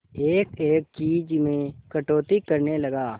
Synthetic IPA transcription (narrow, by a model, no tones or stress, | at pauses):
eːkeːkt͡ʃiːd͡ʒmẽkɐʈoːt̪ikɐɾnelɐɡaː